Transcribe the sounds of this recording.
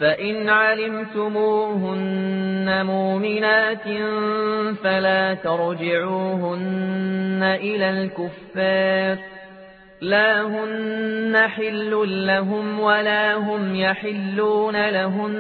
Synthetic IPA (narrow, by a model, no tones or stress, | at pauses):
faʔɪnʕalɪmt̪ʊmuːɦʊnːamʊːmɪnaːt̪ | falaːt̪ɑɾˤd͡ʒɪʕuːhʊnː | aʔɪlaːlkʊfːɑːɾ | laːɦʊnːaħɪlːʊːaɦʊmwalaːɦʊmjaħɪlːuːnalaɦʊn